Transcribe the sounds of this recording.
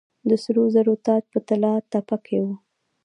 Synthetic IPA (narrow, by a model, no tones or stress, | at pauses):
d̪əsɾozaɾot̪ɑd͡ʒpət̪alɑt̪ːapakʰewu